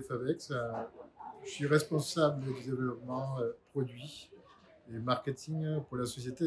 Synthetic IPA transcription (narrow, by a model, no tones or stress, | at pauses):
favɛksɛ̃ | sɥiʁɛspɔ̃sabld̪əved̪evlɔpmɑ̃øpχɔd̪ɥi | emaʁkʲet̪ʰiŋpuʁlasɔsjet̪e